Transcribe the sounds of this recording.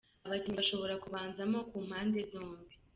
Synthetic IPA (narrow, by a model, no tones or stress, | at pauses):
aβacinβaʃo̞βo̞ɾakuβaːnzamo̞kuːm̥haːnde̞zo̞ːmbi